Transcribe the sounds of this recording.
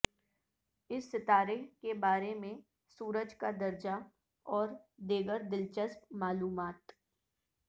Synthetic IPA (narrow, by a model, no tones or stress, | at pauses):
ɪsːɪt̪aːɾeɦkebaːɾemẽ | suːɾəd͡ʒkad̪ɐɾd͡ʒa | ɔːɾd̪eːɡəɾd̪ɪlt͡ʃəspmaːluːmaːt̪